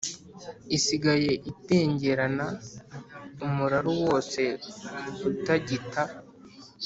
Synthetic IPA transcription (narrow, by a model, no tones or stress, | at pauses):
isiɡaje̞ʔite̞ːɲɟe̞ɾana | umuɾaɾuwo̞ːse̞ | utaɟita